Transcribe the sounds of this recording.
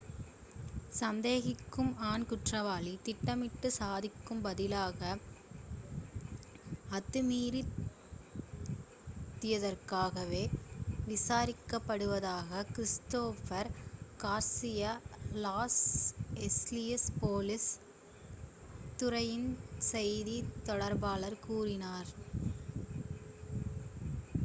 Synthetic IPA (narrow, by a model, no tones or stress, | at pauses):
sɐnd̪eːɣɪkːɯmaːnkʊʈrɐʋaːlit̪ɪʈːɐmɪʈːɯsaːðɪkːɯmbɐðɪlaːɣɐ | ɐt̪ːɯmiːɾi | t̪ːɪjɐðɐɾkaːɣɐʋeːʋɪsaːɾɪkːɐpːɐɽɯʋɐðaːɣɐkɾɪst̪oːfɐɾkaːɾsɪjalaːsɛslɪjɐspoːlɪs | t̪ːɯɾɐjɪnsɛjðit̪ɔɽɐɾbaːɭɐɾkuːrɪnaːɾ